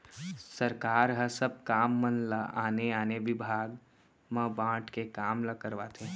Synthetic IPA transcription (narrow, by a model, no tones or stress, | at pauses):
səɾkaːɾɦəsəb̚kaːmːənlaaːneaːneʋɪbʱaːɡ | mə̃bãːʈʰkekaːmləkəɾʋaːt̪ʰe